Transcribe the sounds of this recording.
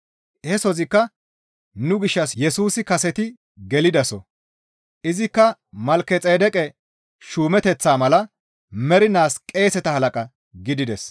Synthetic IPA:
hɛsɔzɪkːɐ | nʊɡɪʃːɐsjɛsuːsɪkɐsɛt̪ɪ | ɡɛlɪd̪ɐsɔ̰ | ʔɪzɪkːɐmɐlkːɛt͡sʼeːd̪ɛkʼɛ | ʃuːmɛt̪ɛt͡sːaːmɐlɐ | mɛɾɪnaːskʼe̞ːsɛt̪ɐhɐlɐkʼɐ | ɡɪd̪ɪd̪ɛs

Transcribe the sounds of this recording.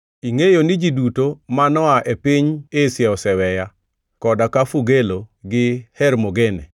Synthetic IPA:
iŋejonɪd͡ʒidutomanɔaʔepiɲesjɛɔsɛwɛja | kɔdakafuɡeloɡɪhɛɾmoɡene

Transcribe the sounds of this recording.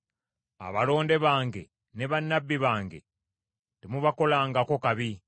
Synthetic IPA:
a̰βalo̞ːnde̞βaːŋɡe̞ | neβanːabːiβaːŋɡe̞̰ | temuβako̞laːŋɡako̞kaβi

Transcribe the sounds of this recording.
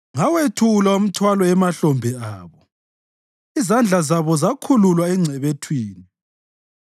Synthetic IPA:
ŋawetʰulaum̩tʰwalɔɛmaɬɔmbʱɛaːβɔ | izand͡ɮʱazaβɔzakʰululwaɛŋ͡ǀʱɛβetʰwiːni

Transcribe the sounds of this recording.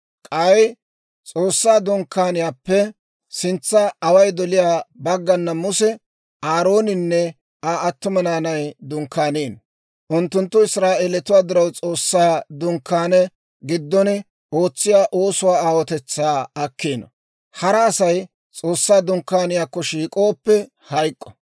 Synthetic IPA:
kʼɐj | t͡sʼoːsːaːd̪ʊŋkːaːnɪjaːpːɛ | sɪnt͡sːɐɐwɐjd̪ɔlɪjaːbɐɡːɐnːɐmʊsɛ | ʔaːɾo̞ːnɪnːɛ | aɐt̪ːʊmɐnaːnɐjd̪ʊŋkːaːneːn | ʔʊnt̪ːʊnt̪ːʊɪsɾaːʔeːlɛt̪ʊwaːd̪ɪɾɐwt͡sʼo̞ːsːaːd̪ʊŋkːaːnɛ | ɡɪd̪ːɔn | ʔo̞ːt͡sːɪjaːʔoːsʊwaːaːwɔt̪ɛt͡sːaːɐkːeːnɐ | hɐɾɐːsɐj | t͡sʼo̞ːsːaːd̪ʊŋkːaːnɪjaːkːɔʃiːkʼo̞ːpːɛ | hɐjkʼːɔ̥

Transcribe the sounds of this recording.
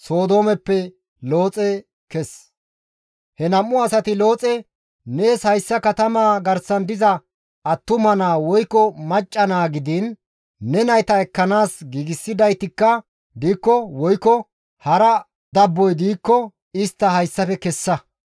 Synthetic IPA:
soːd̪o̞ːmɛpːɛ | lo̞ːt͡sʼɛ | kɛs | hɛnɐmːʊɐsɐt̪ɪlo̞ːt͡sʼɛ | neːshɐjsːɐkɐt̪ɐmaːɡɐɾsɐnd̪ɪzɐ | ɐt̪ːʊmɐnaːwɔjkːɔmɐt͡ʃʼːɐnaːɡɪd̪ɪnː | ɛnɐjt̪ɐɛkːɐnaːsɡiːɡɪsːɪd̪ɐjt̪ɪkːɐ | d̪iːkːɔwɔjkːɔ | hɐɾɐ | d̪ɐbːɔjd̪iːkːɔ | ɪst̪ːɐhɐjsːɐfɛkɛsːɐ

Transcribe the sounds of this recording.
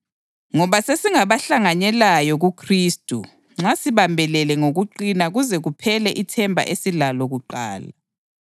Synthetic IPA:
ŋɔβasesiŋaβaɬaŋanɛlajɔɣukʰriːstʼu | ŋ͡ǁasiβambʱɛlɛlɛŋoɣuǃinaɣuzɛɣupʰɛlɛʔitʰɛmbʱa̰ʔesilalɔɣuǃaːla̰

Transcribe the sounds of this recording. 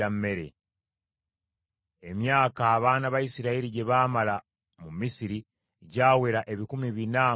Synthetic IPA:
amːe̞ɾe̞̰ | emjaːkaːβaːnaβajisiɾaeɾiɟe̞βaːmala | mumisiɾi | ɟaːwe̞ɾaʔe̞βikumiβina

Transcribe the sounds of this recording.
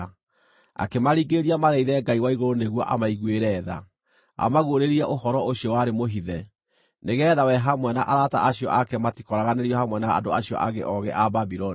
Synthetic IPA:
a̰kemaɾiːɡeɾiamaðɛiðɛɡaiwaiɣoɾoneɣwɔʔa̰maiɣweɾɛːða̰ | a̰maɣoɾeɾiɛʔohɔɾɔoɕiɔwaɾemoɦiðɛ | neɣɛðawɛɦamwɛnaʔaɾata̰ʔaɕiɔ̰ʔakɛmatikɔɾaɣaneɾiɔhamwɛnaa̰doaɕiɔ̰ʔaɣḛʔɔɣɛ̰ʔababiɾɔni

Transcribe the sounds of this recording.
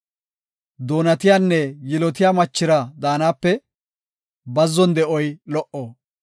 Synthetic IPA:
d̪o̞ːnɐt̪ɪjaːnːɛjɪlɔt̪ɪjaːmɐt͡ʃːɪɾɐd̪aːnaːpːɛ | bɐzːɔnd̪ɛʔɔjlɔʔɔ

